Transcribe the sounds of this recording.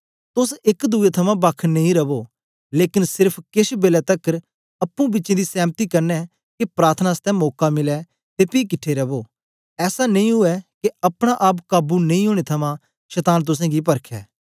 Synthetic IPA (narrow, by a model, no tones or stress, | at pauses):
t̪ʊsɪkd̪uet̪ʰɐmãbɐkʰːnɐĩɾɐbo | leːkɪnsɪɾpʰkɪsbeːlɛt̪ɐkːəɾ | ɐpːũbɪʃẽd̪isɛ̃ːmt̪ikɐɾnɛ | kepɾaːɾt̪ʰnast̪ɛ̃mɔːkamɪlɛ | t̪epiːkɪʈʰːeɾɐboː | ɛːsanɐ̃ĩɦʊɛkeɐpɽ̃aʔap̬kaːbunɐĩɦoːɽ̃et̪ʰɐmã | ʃɛt̪aːnt̪̬ʊs̬ɛ̃ɡip̬ɐɾkʰɛ̰ː